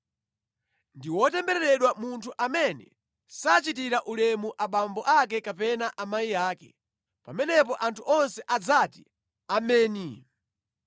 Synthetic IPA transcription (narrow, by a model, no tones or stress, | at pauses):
ndiwɔtɛmbɛɾɛɾɛɗwamuntʰuʔamɛnɛ̰ | sat͡ʃit̬iɾaʔulɛmuʔaɓambɔʔak̬ɛkapɛnaʔamajijaːkɛ | pamɛnɛp̬ɔʔantʰuʔɔnsɛʔad͡zati | amɛːni